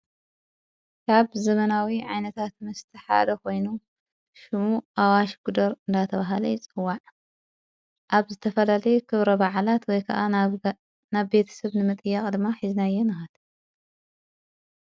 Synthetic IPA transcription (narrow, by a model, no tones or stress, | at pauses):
kʰaβzɐmɐnawiʕajnɐt̪ʰat̪mɐst̪ʰɐħa̰d̪ɐko̞jnu | ʃɨmuʔawaʃɡud̪ɐɾɨnd̪at̪ʰɐβaɦalɐjɪt͡sʼɨwːaʕ | ʔaβzɨt̪ʰɐfɐlalɐjɛkʰɨβɾɐbaʕlat̪wɔjkʰɐʔa | naβːe̞t̪ʰɐ̥sɐβnɨmɨt̪ʼɨjːakʼd̪ɨmːaħiznajːɛnɨxɐd̪